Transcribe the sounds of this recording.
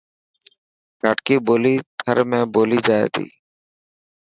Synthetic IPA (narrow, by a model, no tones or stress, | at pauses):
kaːʈkiːboːliːt̪ʰəɾmẽːboːliːd͡ʒaːḛːt̪ḭː